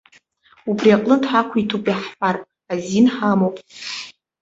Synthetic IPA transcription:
ubriaqʼlɨntʰħakʷʰitʰupʼiħħʷarʼ | azinħamowpʼ

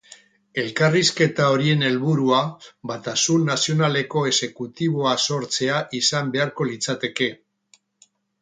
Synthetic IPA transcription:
e̞lkariske̞t̪ao̞ɾie̞ne̞lβuɾuabat̪asunnasio̞nale̞ko̞e̞se̞kut̪iβ̞o̞aso̞ɾt͡se̞aʔisambe̞aɾko̞lit͡sat̪e̞ke̞

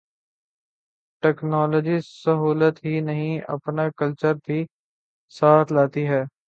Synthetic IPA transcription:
ʈɛːknɔːləd͡ʒisəɦuːlət̪ɦinəɦĩɐ̰pnakəlt͡ʃəɾd̪ʱi | saːt̪ʰlaːt̪iɦɛː

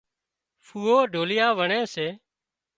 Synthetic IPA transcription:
fuːoːɖʱoːlɪjaːʋəɳẽːseː

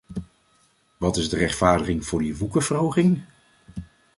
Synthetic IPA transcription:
ʋɑtɪzdərɛχtfaːɹdəχɪŋv̥ʊːɹdiʋukəvərɦowχɪŋ

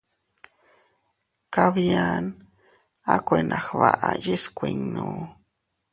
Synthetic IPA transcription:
kaβjan | akʷenʔaxβaʔajiskʷeŋno

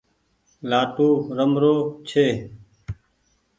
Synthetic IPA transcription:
laːʈuːɾəmɾoːt͡ʃʰeː

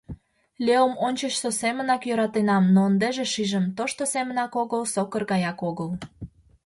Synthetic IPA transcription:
lʲeomonʲt͡ɕət͡ɕsosemə̆nɑkjøɾɑt̪enɑmnoənd̪eʒeʃiʒəmt̪oʃt̪osemə̆nɑkoɣəlsokərɣɑjɑkoɣəl

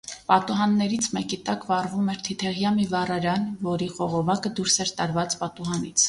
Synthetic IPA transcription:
pɑt̪uɦɑnːɛɾit͡sʰmɛkit̪ɑkvɑrvumɛɾt̪ʰit̪ʰɛʁjɑmivɑrɑɾɑnvɔɾiχɔʁɔvɑkəd̪uɾsɛɾt̪ɑɾvɑt͡spɑt̪uɦɑnit͡sʰ

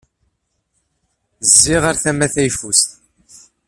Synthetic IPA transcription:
zːiʁaɾθæmæθæjfust̪

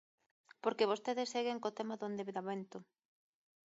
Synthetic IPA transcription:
poɾkeβ̞ost̪eðɪsːeɣeŋkot̪emaðoend̪eβeðaβent̪ʊ

